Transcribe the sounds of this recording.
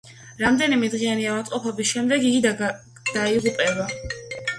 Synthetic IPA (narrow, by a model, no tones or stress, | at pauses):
ɾamd̪ɛnimɛd̪ʁianiavat̪sʼqʼɔpʰɔbisʃɛmd̪ɛɡiɡid̪a | d̪̥aiʁupʼɛba